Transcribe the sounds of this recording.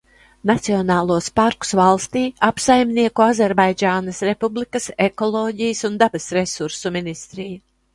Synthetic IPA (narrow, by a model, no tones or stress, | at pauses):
nat̪siɔnaːlˠuɔspaɾku̥svalˠst̪iːapsajmʲniɛkuazʲɛɾbajd͡ʒaːnasɾepublikɐsekɔlˠɔːɟijəsund̪abɐsɾesuɾsuminist̪ɾija